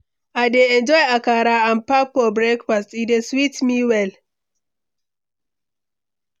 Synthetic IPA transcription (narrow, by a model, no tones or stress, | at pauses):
aɪdeɛ̃nd͡ʒɔɪakaɾaãnpafɔbɹekfastideswitmiwɛl